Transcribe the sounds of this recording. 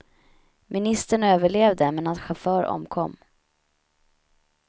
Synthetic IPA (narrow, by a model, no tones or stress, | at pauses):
mɪnɪst̪əɳøːvəɭeːvd̪əmɛnat̪ɧafœːɾɔ̰mkʰɔ̰mː